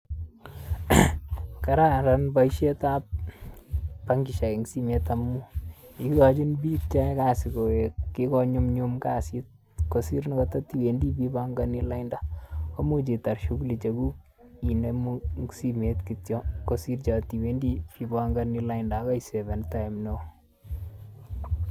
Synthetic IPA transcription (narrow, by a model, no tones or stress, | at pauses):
kaɾaɾanbaiʃetap̚ | pːaŋɡiʃakeŋɡsimetamːuikkad͡ʒinbik̚t͡ʃakasikoekikɔɲumɲumkasit̚ | kosiɾnakɔtɔtiwendibibaŋɡanilaɪndakomut͡ʃitarʃuklit͡ʃekuk | inemuŋsimetkitjɔkosirt͡ʃatiwendipibaŋɡanilaɪndakaisɛvɛntajmno